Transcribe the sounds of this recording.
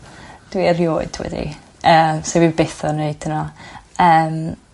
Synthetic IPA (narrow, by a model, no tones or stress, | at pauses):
d̥wiərjoːɨd̥wɛ̰dḭ | ʔəːmsewibeθɔneɨd̥ʰənɔəːm